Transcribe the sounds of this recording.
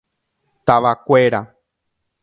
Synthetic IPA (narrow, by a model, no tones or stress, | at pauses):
t̪aʋakʷeɾa